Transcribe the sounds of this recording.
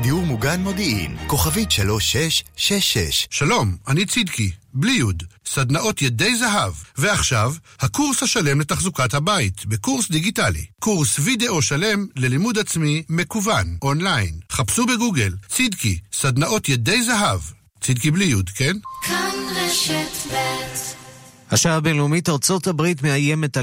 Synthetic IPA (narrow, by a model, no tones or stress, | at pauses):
d̪iuʁmuɡanmo̞d̪iḭnko̞χavit̪ʃaloʃeʃːeʃḛʃʃalo̞mʔanit͡sid̪kiblijud̪sad̪naʔo̞t̪jed̪e̞jzaɦavveaχʃavhakuʁshaʃale̞mlet̪aχzukathabait̪bekuʁsd̪iɡitalḭkuʁsvid̪eʔo̞ʃale̞mle̞limud̪at͡smime̞kuvanʔo̞nlajnχapsube̞ɡuɡe̞lt͡sid̪kisad̪naʔo̞t̪jed̪e̞jzaɦav | t͡sid̪kiblijud̪ke̞nkʰaneʃetbet | haʃabenleumitaʁt͡so̞t̪habʁit̪meajemet̪a